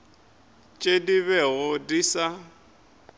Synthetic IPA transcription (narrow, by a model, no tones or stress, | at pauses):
t͡ʃʼediβɛɣʊdiːsa